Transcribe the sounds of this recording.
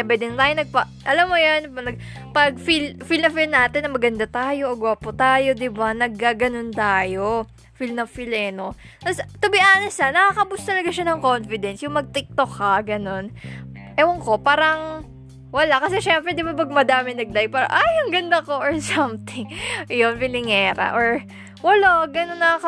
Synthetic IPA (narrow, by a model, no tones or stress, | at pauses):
ɐbɛd̪ɪnt̪aːjonɐɡ̚pɐ | ʔɐlamːojanpnɐɡ̚ | pɐɡ̚filfilnɐfilnaːt̪ɪnːɐmɐɡɐnd̪at̪aːjo̞ʔoɡwapʊt̪aːjo̞d̪ɪbanɐɡ̚kːaːɡɐnont̪aːjo̞ | filnɐfɪlɛnot̪ɐst̪ʊbɪʔaːnɐsanɐkakɐbʊst̪ɐlɐɡaʃanɐŋko̞nfɪd̪ɛnsjʊŋmɐɡ̚t̪ɪk̚t̪okːɐɡɐno̞n | ʔɛwɐŋko̞paːɾɐŋ | wɐlakɐsɛʃɛmpɾɛd̪ɪbapɐɡ̚mɐd̪aːmɪnɐɡ̚d̪ajpaːɾɐ̰ʔajʊŋɡɐnd̪ɐkoʔoɹsɐmt̪ɪŋjonfɪlɪŋɛːɾɐ̰ʔoɹ | wɐlaɡɐnonːɐakɐ